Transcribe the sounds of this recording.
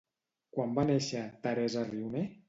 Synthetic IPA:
kwambaneʃat̪aɾezariwne

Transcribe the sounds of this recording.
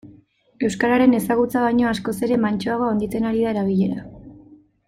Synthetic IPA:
e̞wskaɾaɾe̞ne̞saɣ̞ut͡saβajɲo̞asko̞se̞ɾe̞mant͡ʃoaɣ̞oond̪it͡s̪e̞naɾiðae̞ɾaβ̞iʎe̞ɾa

